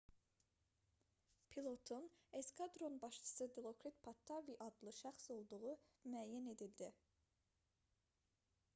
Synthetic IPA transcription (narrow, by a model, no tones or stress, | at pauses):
pʰilˠo̞t̪ʰuneskʰɑd̪ɾonbɑʃt͡ʃʰɯ̥sɯd̪ilˠo̞kʰɾit̪pʰɑt̪ʰːɑviʔɑd̪lˠɯʃæχso̞lˠd̪uʁumyæjæne̞d̪ild̪i